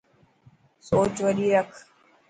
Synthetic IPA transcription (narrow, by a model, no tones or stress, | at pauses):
soːt͡ʃʋəɗiːɾəkʰ